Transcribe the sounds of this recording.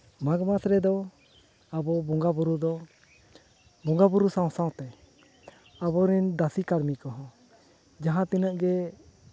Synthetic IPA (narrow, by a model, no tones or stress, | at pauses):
maɡmasɾɛd̪ɔ | abɔbɔŋɡabuɾud̪ɔ | bɔŋɡabuɾusãw̃sãw̃t̪ɛ | abɔɾɛnd̪asikaɾmikɔɦɔ̃ | d͡ʒaɦãt̪inəʔɡɛ